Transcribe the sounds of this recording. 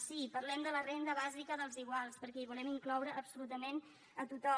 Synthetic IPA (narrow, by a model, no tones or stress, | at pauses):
sipəɾlɛmd̪ələrend̪əβazikəðəlˠziɣwalˠspəɾkɛiβulɛmiŋklɔwɾəʔːpsulut̪əmen | ət̪ut̪ɔ